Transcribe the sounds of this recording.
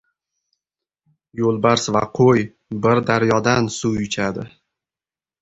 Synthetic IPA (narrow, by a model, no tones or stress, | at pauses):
jolˠbaɾsva̰qʰoj | bɪɾd̪aɾjɒd̪ansujʊt͡ʃʰad̪ɪ